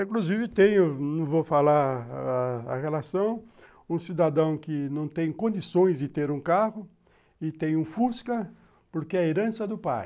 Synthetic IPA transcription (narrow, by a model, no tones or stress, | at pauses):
ĩkluzivɪt̪ẽj̃ʊnɐ̃vofalaɾ | ɐ̰ʁelasɐ̃w̃ | ũsid̪ad̪ɐ̃w̃kɪnɐ̃w̃t̪ẽj̃kõnd͡ʒ̪isõj̃zd͡ʒɪt̪eɾũkaʁʊ | ɪt̪ẽj̃ũfuskɐ | poɾkɪɛɐeɾɐ̃sɐd̪ʊpaj